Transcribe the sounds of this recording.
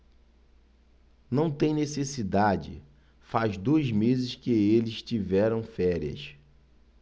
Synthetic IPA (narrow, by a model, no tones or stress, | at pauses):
nɐ̃w̃t̪ẽj̃nesesid̪ad͡ʒɪ̰ | fazd̪oɐzmezɪʃkɪelɪʃt͡ʃivɛɾɐ̃w̃fɛɾiɐ̰s